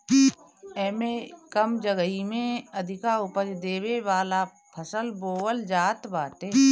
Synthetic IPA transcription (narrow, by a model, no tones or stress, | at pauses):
ɛːmekəmd͡ʒəɡəɦimẽəd̪ʱɪkaʊpəd͡ʒd̪eːweʋaːla | pʰəsəlboːwəld͡ʒaːt̪baːt̪eː